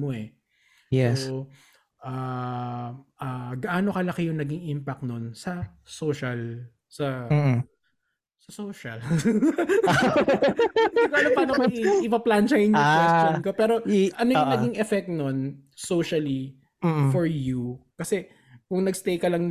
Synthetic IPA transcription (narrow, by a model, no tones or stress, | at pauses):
moɛ | jɛs | ʔaː | ʔaɡɐʔaːnokɐlɐkɪjʊŋnɐɡɪŋʔimpɐk̚t̪nonsɐsoːʃɐl | sɐː | sɐsoːʃɐl | ɐɡkanɐpɐlɐmɐɪpɐplant͡ʃɐjɪnaʃɐnkopɛːɾo̞ʔɐnoʊŋnɐɡɪŋʔɛfɛk̚t̪̚non | soːʃɐli | fɔɹjukɐsɛ | kʊŋnɐɡst̪ejkɐlɐŋ